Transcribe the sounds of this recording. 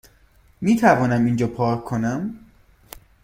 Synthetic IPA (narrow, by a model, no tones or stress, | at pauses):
miːt̪ʰævɒːnæmind͡ʒɒːpʰɒːonæm